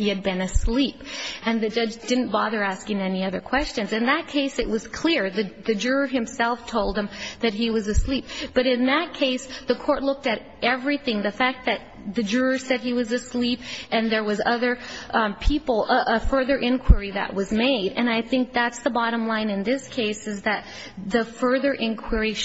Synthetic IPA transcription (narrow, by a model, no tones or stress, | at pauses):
hiɨd̚bɨ̃nɨslipɨ̃nðɨd͡ʒʌd͡ʒdɪdⁿn̩b̥ɑðə˞æskɪ̃ŋɛniʌðə˞kʰw̥ɛst͡ʃɨ̃nzɨ̃nðɨt̚kʰeɪsɨʔ̚wʌz̥kʰl̥ɪɹðɨðɨd͡ʒʊɹə˞ɨ̃msɛlˠftʰoʊlˠd̪̚ə̃mðɨt̚ɦiwʌzɨslip̚b̥ʌɾɨ̃nðɨt̚kʰeɪsðɨkʰɔɹtˡlʊk̚tɨɾ | ɛvɹiθɪ̃ŋðɨfæk̚ðɨt̪̚ðɨd͡ʒʊɹə˞sɛd̚iwʌzɨslipʔɨ̃nðə˞wʌzʌðə˞pʰipl̩ˠʔəfɜ˞ðə˞ʔɪ̃nkʰw̥ə˞iðɨ̰ʔwʌzmeɪɾɨ̃ñaɪθɪ̃ŋk̚ðætsðəbɑɾə̃mlãɪ̃nɨ̃nðɪskʰeɪsɨzðɨt̪̚ | ðɨfɜ˞ðə˞ʔɪ̃nkʰw̥ɪ˞i